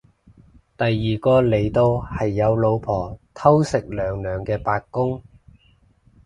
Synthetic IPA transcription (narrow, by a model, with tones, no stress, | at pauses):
t̪ɐ˨jːiː˨˩kɔː˧le˨˩jt̪o˧whɐ˨jːɐ˨˧wlo˨˧wpʰɔː˨˩t̪ʰɐ˥wsɪ˨k̚lœː˨˩ŋlœː˨˩ŋkɛː˧paː˧k̚kʊ˥ŋ